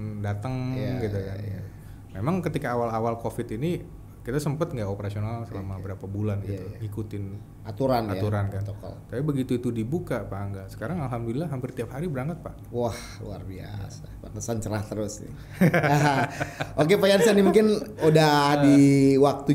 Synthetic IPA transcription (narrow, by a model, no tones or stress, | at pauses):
dat̪əŋɡiuka̰nɡit̪u | memaŋkət̪ikaːwalawalkofɪt̪ini | kit̪asəmpət̪ŋɡaʔopəɾasionalsəlamabəɾapabulanɡit̪uŋikut̪ɪn | ʔat̪uɾanat̪uɾankankɔ̰t̪apibəɡit̪uit̪udibukapaːŋɡasə̥kaɾaŋalɦamdulilahɦampɪrt̪iap̚haɾibəɾaŋkət̪̚paʔwah | lṵa̰rbia̰sapanəsant͡ʃəɾaht̪əɾʊsnɪ̰ | ɦʔokepajansanimuŋkɪnudadiwak̚t̪u